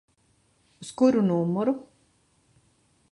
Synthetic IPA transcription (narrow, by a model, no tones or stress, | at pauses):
uskuɾunuːmːɔɾu